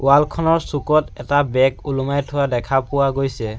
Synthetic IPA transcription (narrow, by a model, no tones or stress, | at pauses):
ʊwalkʰɔnɔɹsukɔtɛtabɛkulumajtʰʊwadɛkʰapʊwaɡojsɛ